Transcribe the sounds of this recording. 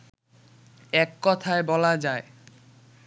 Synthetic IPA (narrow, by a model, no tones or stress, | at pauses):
ɛkːɔt̪ʰaebɔlad͡ʑae